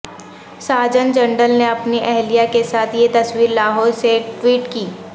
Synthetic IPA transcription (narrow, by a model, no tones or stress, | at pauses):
saːd͡ʒənd͡ʒɐ̃ɳɖəlneɐpniʔɛɦlijakesaːt̪ʰjet̪ɐswiːɾlaːɦɔːɾseʈwiːʈkiː